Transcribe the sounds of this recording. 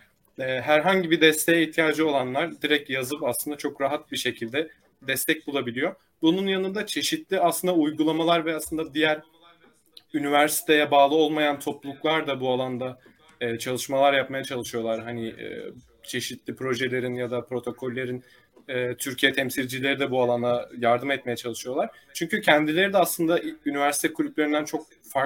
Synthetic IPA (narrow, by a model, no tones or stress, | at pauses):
ɛːɦæɾɦaɲɟibid̪ɛst̪ʰɛjɛiht̪ʰijaːd͡ʒɯo̞lˠanlˠaɾd̪iɾɛcjazɯpaslˠɯnd̪at͡ʃʰo̞kɾaɦat̪̚biʃe̞cʰilʲd̪ɛ | d̪ɛst̪ʰɛc̚bulˠabilʲijo | bununjanɯnd̪at͡ʃʰe̞ʃit̪lʲiaslˠɯnd̪aujɡulˠamalˠaɾvɛaslˠɯnd̪ad̪ijæɾ | ynivæɾsi̥t̪ʰejɛbaːlˠɯo̞lˠmajant̪ʰo̞plˠuklˠaɾd̪abualˠand̪aː | t͡ʃʰalˠɯʃmalˠaɾjap̚majat͡ʃʰalˠɯʃijo̞lˠaɾɦanɪɛ̰ | t͡ʃʰe̞ʃit̪lʲipɾo̞ʒelʲe̞ɾinjad̪apɾo̞t̪ʰo̞kʰo̞lʲːe̞ɾin | ɛːt̪ʰyɾcʰijɛt̪ʰɛmsilʲd͡ʒilʲe̞ɾid̪ɛbualˠand̪ajaɾd̪ɯmɛt̪̚mejɛt͡ʃʰalˠɯʃɯjo̞lˠaɾ̥t͡ʃʰyɲcycʰɛnd̪ilʲe̞ɾid̪ɛaslˠɯnd̪aʔynivæɾsi̥t̪ʰɛkʰulʲyp̚lʲe̞ɾind̪ænt͡ʃʰo̞k̚ | fa